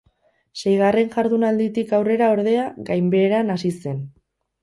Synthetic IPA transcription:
se̞jɣ̞are̞nʝaɾðunald̪it̪ikawre̞ɾao̞ɾð̞e̞aɣajmbe̞ːɾanasise̞n

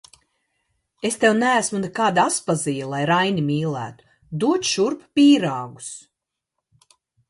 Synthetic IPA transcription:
est̪ewnæːsmunekaːd̪aspazijalˠajɾajnimʲiːlˠæ̰ːt̪u̥ | d̪uɔt͡ʃ̪ʃuɾppʲiːɾaːɡu̥s

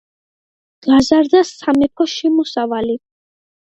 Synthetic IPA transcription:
ɡ̥azaɾd̪asamɛpʰɔʃɛmusavali

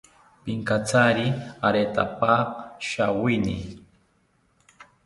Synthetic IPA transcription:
piŋkat͡saɾiaɾet̪a̰paʃawinḭ

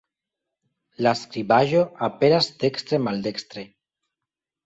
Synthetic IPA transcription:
laskɾiβaʒoapenazd̪ekst̪ɾemald̪ekst̪ɾe

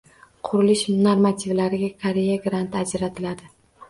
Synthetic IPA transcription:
qʰʊɾɪlɪʃnaɾmat̪ʰivlaɾɪɡʲakʰaɾejaɡɾant̪ad͡ʒɾat̪ʰɪlad̪ɪ

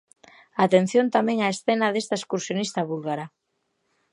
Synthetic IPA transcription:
at̪en̟θjont̪amɛ̃ŋaesθenaðest̪aeskuɾsjonist̪aβulɣaɾa

